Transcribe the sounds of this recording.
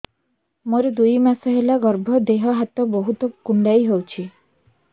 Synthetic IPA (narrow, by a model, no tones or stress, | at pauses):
moɾed̪ujmasɔɦelaɡɔɾbʱɔd̪eɦɔɦat̪ɔbɔɦut̪ɔkuɳɖajɦewt͡ʃʰi